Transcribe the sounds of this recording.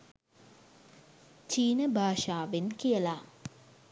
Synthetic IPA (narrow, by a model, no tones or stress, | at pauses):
t͡ɕiːnəbʱaːʃaːʋenkijəla